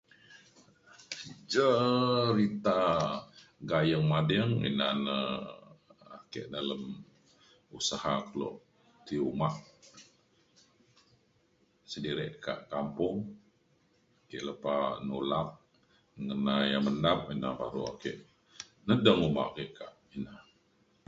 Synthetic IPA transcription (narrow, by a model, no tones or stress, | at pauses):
d͡ʒəɾit̪a | ɡajəŋmadəŋḭnanə | akeʔdaləm | usahakəlɔ̰ʔ | t̪iumaʔ | sədiɾɪʔka̰ʔkampʊŋ | akɛʔləpanolaʔ̚ | ŋənajaməndap̚ina̰ba̰ɾṵa̰kɛ̰ʔ | nədəŋuma̰ʔkeʔkaʔ | ina